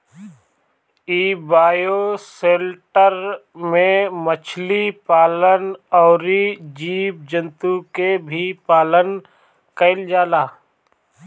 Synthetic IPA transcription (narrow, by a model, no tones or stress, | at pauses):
iːbaːjoseːlʈəɾmẽmət͡ʃʰlipaːlənɔːɾid͡ʒiːb̚d͡ʒə̃nt̪ukebʱipaːlən | kəɪld͡ʒaːlaː